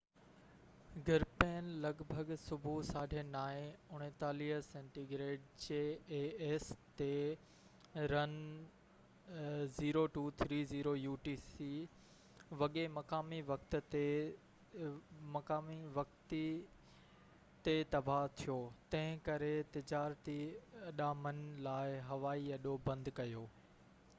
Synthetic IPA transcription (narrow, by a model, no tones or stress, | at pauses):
ɡʱɐɾpɛːnlɐɡbʱəɡsʊbʱusaːɖʱẽnaːẽʊɽ̃ẽt̪aːliɦəsẽːɳʈiɡɾeːɖ̚t͡ɕeːeːst̪e | ɾɐn | ziːɾoʈuːt̪ʰɾiːziːɾojuːʈiːsi | ʋɐɠemɐkaːmiʋɐkt̪̆t̪e | mɐkaːmiʋɐk̚t̪i | t̪et̪ɐbʱat̪ʰijoːt̪ɐ̃ɦɪ̃kɐɾet̪ɪd͡ʑaːɾt̪iɐɗamɐnlaːɪɦɐʋaːiɐɗobɐ̃nd̪kɐjoː